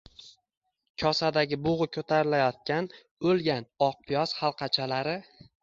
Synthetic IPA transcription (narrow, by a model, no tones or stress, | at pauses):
kʲʰɒsad̪aɡʲɪbʊʁɨkʲʰɵt̪ʰaɾɪlajɒt̪̚kʲan | ɵlɡʲanɒq̚pʰɪjɒshɑlˠqʰɑt͡ʃʰalaɾɪ